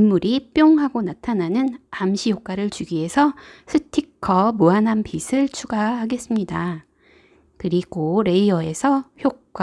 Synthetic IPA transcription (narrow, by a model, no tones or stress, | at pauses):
imːuɾip͈joŋɦaɡonatʰananɯnamɕʰijok͈aɾɯɭt͡ɕuɡie̞sʰʌsʰɯtʰikʰʌmuɦanɦampʰisʰɯɭt͡ɕʰuɡaɦaɡe̞s͈ɯmɲida | kɯɾiɡoɾe̞iʌe̞sʰʌçjok̚k͈wa